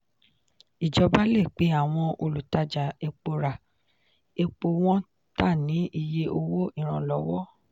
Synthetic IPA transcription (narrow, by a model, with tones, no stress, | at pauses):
i˨d͡ʒɔ˨˦ba˦le˦˨k͡pe˨˦a˦˨w̃ɔ̃˧o˧lu˨ta˧d͡ʒa˨e˧k͡po˧ɾa˨ | e˧k͡po˧w̃ɔ̃˦ | ta˦˨nĩ˨˦i˧je˧ʔo˧wo˦i˦˨ɾ̃ã˨lɔ˨˦wɔ˦